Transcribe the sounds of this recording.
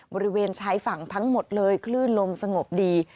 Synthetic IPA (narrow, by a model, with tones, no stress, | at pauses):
bɔː˧ɾi˦˥weː˧nt͡ɕʰa˦˥jfa˨˩˦ŋt̪ʰa˦˥ŋmo˨˩t̪̚lɤː˧jkʰlɯː˥˩nlo˧msa˧ŋo˨˩p̚diː˧